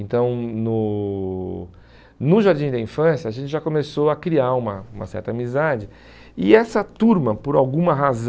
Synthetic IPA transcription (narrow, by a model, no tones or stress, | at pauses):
ẽnt̪ɐ̃w̃nʊ | nʊʒaɾd͡ʒĩd̪ɐĩfɐ̃sjɐːʒẽnt͡ʃɪʒakomesoɐkɾiaũmɐũmɐsɛ̰ɾt̪ɐːmizad͡ʒɪ | ɪɛsɐt̪uɾmɐpʊɾawɡũmɐɦaz